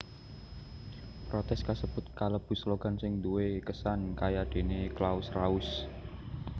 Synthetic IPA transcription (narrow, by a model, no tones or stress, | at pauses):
pɾot̪ɛskasəb̥ʊt̪̚kaləb̥ṳsloɡ̥a̤nsɪŋd̪uwekəsankajad̪̥e̤neklaʊsraʊs